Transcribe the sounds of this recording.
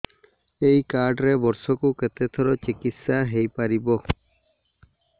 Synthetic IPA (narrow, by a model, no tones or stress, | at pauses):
ejkaɾɖɾebɔɾsɔkuket̪et̪ʰɔɾɔt͡ʃikit̪saɦejpaɾibɔ